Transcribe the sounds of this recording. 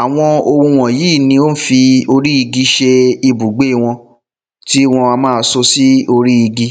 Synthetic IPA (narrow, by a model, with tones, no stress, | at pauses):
a˨w̃ɔ̃˧o˧ũ˧w̃ɔ̃˨jiː˦˨nĩ˧o˦n̩˦fi˧o˧ɾi˦i˧ɡi˦ʃe˧i˧bu˨ɡ͡be˨˦i˧w̃ɔ̃˧ | ti˦w̃ɔ̃˧a˧mãː˦so˧si˦o˧ɾi˦i˧ɡi˦